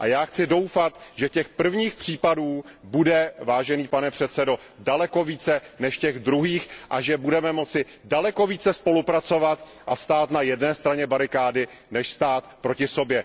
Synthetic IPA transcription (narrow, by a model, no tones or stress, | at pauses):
ʔa̰jaːxt͡sɪdo̞wfat̪ʒɛcɛxpr̩vɲiːxpr̥iːpaduːbudɛvaːʒɛniːpanɛpr̥ɛt̪t͡sɛdo̞ | dalɛko̞viːt͡sɛnɛʃcɛɣd̪ɾuɦiːxʔaʒɛbudɛmɛmo̞t͡sɪ | dalɛko̞viːt͡sɛspo̞lupɾat͡so̞vat̪ | ʔast̪aːt̪najɛdnɛːst̪ɾaɲɛbaɾɪkaːdɪ | nɛʃst̪aːt̪pɾo̞cɪso̞bjɛ